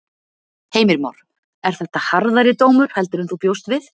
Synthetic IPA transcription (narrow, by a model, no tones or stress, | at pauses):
heːjmɪɾma̰wɾ̥ | ɛɾ̥θɛht̪ahaɾðaɾɪt̪oːwmʏɾ̥hɛl̪t̪ʏɾʏmθupjowst̪vɪθ